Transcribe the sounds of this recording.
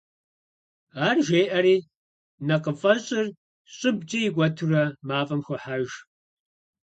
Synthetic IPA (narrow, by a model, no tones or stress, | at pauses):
aːrʒeːʔɐɾiː | nɐqəfʼɐɕʼɪr | ɕʼɪbd͡ʒʼɐjɪɡʷɐtʰɨrɐmaːfʼɐmxʷɐħaʒ